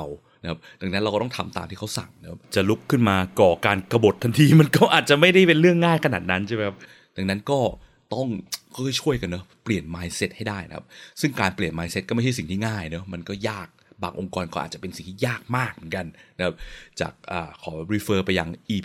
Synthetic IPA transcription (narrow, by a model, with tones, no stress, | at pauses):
w | na˦kʰa˦˥p̚da˨˩ŋa˦˥nɾa˧wkɔ˥˩t̪ɔ˥˩t̪ʰa˧mt̪a̰ː˧mt̪ʰiː˥˩kʰa˦˥wsa̰˨˩ŋna˦˥kʰa˦˥pt͡ɕa˨˩lu˦˥kʰːɯ˥˩nmaː˧kɔː˨˩kaː˧nkɾa˧bo˨˩t̪ʰːa˧nt̪ʰiː˧ma˧nkɔː˥˩ʔaː˨˩t̪̚t͡ɕa˨˩ma˥˩jda˥˩jpe˧nɾɯ˥˩əŋːaː˥˩jkʰa˧naː˨˩t̪̚na˦˥nt͡ɕʰme˦kʰa˥p̚ | da˨˧ŋna˦˥nkɔː˥˩ | t̪ɔ˥˩ŋkɔː˥˩kʰɔ˥˩t͡ɕʰu˥˩əjka˧nːɤ˦˥pli˨˩ənmaː˧jse˦˥t̪̚ha˥˩jdaː˥˩jna̰˧˦kʰa̰˦˥p̚sɯ˥˩ŋkaː˧npli˨˩ənmaː˧jse˦˥t̪̚kɔː˥˩ma˥˩ha˥˩si˨˩ŋt̪ʰiː˥˩ŋaː˥˩jnɤ˦˥ma˧nkɔː˥˩jaː˥˩k̚baː˧ŋʔo˧ŋkɔː˧nkɔː˥˩ʔ̪̚ːt͡ɕa˨˩pe˧nsi˨˩ŋt̪ʰiː˥˩jaː˥˩k̚maː˥˩k̚mɯ˩˦nka˧nna˧˥kʰa˦˥p̚t͡ɕa̰ː˨˩k̚ʔaː˨˩kʰːɔː˩˦ɾiː˧fɤː˦˥pa˧jːa˧ŋʔiː˧